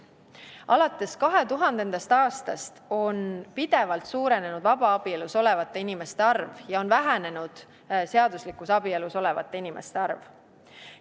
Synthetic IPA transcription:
ʔɑlɑt̪ːˑe̞skɑɦe̞t̪uɦɑnd̪e̞nd̪̥ɑst̪ɑːst̪ɑst̪o̞npid̪̥e̞vɑlt̪suːɾe̞ne̞nud̪̥vɑbɑɑb̥ieluso̞le̞vɑt̪ːˑe̞inime̞st̪e̞ɑrvjɑo̞nvæɦæne̞nud̪̥ | seɑd̪̥uslikːˑusɑbie̞luso̞le̞vɑ̰t̪ːˑe̞inime̞st̪e̞ɑrv

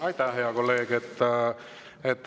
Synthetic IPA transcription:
ɑit̪æːheɑkolːeːɡet̪ː | et̪ː

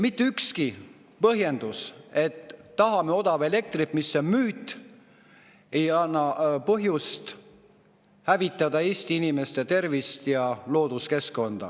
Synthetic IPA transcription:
mit̪ːeykski | pɤɦje̞nd̪̥use̞t̪ːɑɦɑmeo̞d̪̥ɑve̞le̞k̚t̪ripmisːemyːt̪ːˑ | e̞jɑnːɑpɤɦjust̪ | hævit̪ˑːɑd̪ɑe̞ːst̪iinime̞st̪et̪e̞rvist̪jɑlo̞ːd̪̥uske̞skːo̞nd̪̥ɑ̰

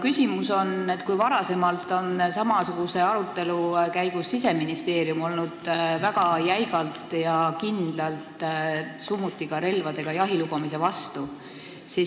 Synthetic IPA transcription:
kysʲimuso̞ne̞t̪kujvɑɾɑse̞mɑlt̪ˑo̞nsɑmɑsuɡ̥use̞ɑɾut̪ːˑe̞lukæjɡ̥usːise̞minist̪e̞ːɾjumo̞lnud̪̥væɡ̥ɑjæjɡɑlt̪ˑjɑkind̪̥lɑlt̪sumːut̪ːˑikɑɾe̞lvɑd̪̥e̞ɡ̥ɑjɑɦilub̥ɑmise̞vɑst̪u | si

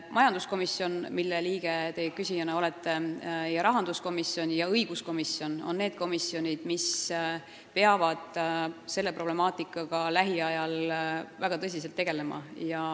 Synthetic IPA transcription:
mʔɑjɑnd̪̥usko̞misːjo̞nmilːeliːɡ̥e̞t̪e̞kysʲijɑnɑo̞let̪ːˑe̞jɑɾɑɦɑnd̪̥usko̞misjo̞njɑɤjɡ̥usko̞misjo̞no̞̰nne̞ːd̪̥̚ko̞misːio̞nʲid̪̥mis | pe̞ɑvɑd̪̥se̞lːe̞pro̞ble̞mɑːt̪ˑikːˑɑɡ̥ɑlæɦiɑjɑlvæɡ̥ɑt̪ɤs̬ʲis̬elt̪ːeɡe̞le̞mɑ̰jɑ

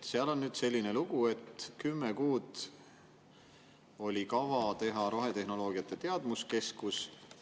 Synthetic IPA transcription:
seɑlo̞nːyːd̪̥se̞lʲːine̞luɡ̥ue̞t̪kymːekuːd̪̥ | o̞lʲikɑvɑt̪e̞ɦɑɾo̞ɦe̞t̪e̞ɦno̞lo̞ːɡ̥iɑt̪ːˑe̞t̪e̞ɑd̪̥muske̞skus

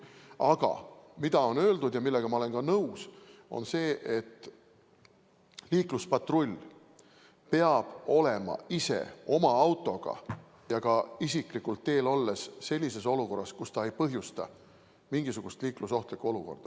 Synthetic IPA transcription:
ɑɡ̥ɑ̰mid̪̥ɑo̞nø̞ːld̪̥ud̪̥jɑmilːe̞ɡ̥ɑmɑole̞nɡɑnɤwso̞̰nse̞ːʔet̪ː | liːkluspɑt̪ro̞lʲː | pe̞ɑb̥o̞le̞mɑ̰ise̞̰o̞mɑɑwt̪ːˑo̞ɡ̥ɑ̰ | jɑɡɑisiklikult̪ːe̞ːlolːe̞sse̞lʲːise̞s̬o̞luko̞rːɑskust̪ɑe̞jpɤɦjust̪ɑ̰ | miŋɡ̥isuɡ̥ust̪liːkluso̞ht̪likːuo̞luko̞̰rd̪̥ɑ

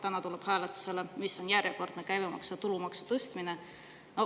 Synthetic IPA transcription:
t̪ænɑt̪uleb̥hæːlet̪ːˑu̥se̞lemisːo̞njæɾjeko̞rd̪̥nekæjvemɑ̰ksut̪ulumɑksu̥t̪ɤst̪mine | no

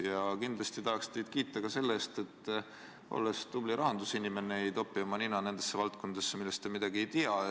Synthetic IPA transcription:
jɑkind̪̥lɑst̪it̪ɑɦɑkst̪e̞jd̪̥̚kiːt̪ːˑɑkɑse̞lːest̪e̞t̪ːˑ | o̞̰lːest̪ubliɾʔɑɦɑnd̪usinime̞neejt̪o̞pːˑiɑmɑninɑne̞nd̪̥esːevɑlt̪̚ko̞nd̪̥esːemilːe̞st̪e̞mid̪̥ɑɡ̥ie̞jt̪iɑ

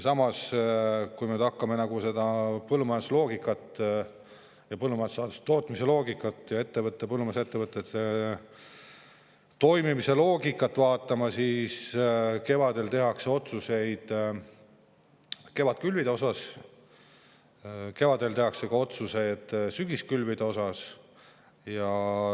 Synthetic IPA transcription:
sɑmɑs | kujmyd̪̥ɑkːɑme̞nɑɡ̥use̞d̪ɑpɤlːumɑjeslo̞ːɡ̥ikːˑɑt̪ː | jɑpɤlːumɑesɑːt̪ust̪o̞ːt̪ˑmise̞lo̞ːɡikːˑɑt̪ːˑjɑe̞t̪ːevɤt̪ˑːepɤlːumɑset̪ːevɤt̪ːˑet̪ | t̪o̞jmimise̞lo̞ːɡikːˑɑt̪ːˑvɑːt̪ːˑɑmɑsiːske̞vɑd̪e̞lt̪e̞ɦɑkseo̞t̪suse̞jd̪̥ | ke̞vɑt̪kylvid̪̥eo̞sɑs | ke̞vɑd̪̥e̞lt̪e̞ɦɑkse̞ɡ̥ɑo̞t̪suse̞jd̪̥syɡ̥iskylvid̪̥eo̞sɑs | jɑ

